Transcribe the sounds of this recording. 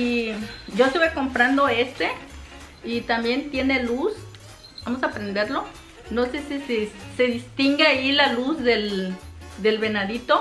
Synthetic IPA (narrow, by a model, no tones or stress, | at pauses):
iɟ͡ʝoest̪uβekompɾand̪oest̪e | it̪ambjent̪jenelus | bamos̬apɾend̪eɾlo | nosesisiseðist̪iŋɡeailalusðel | d̪elβenaðit̪o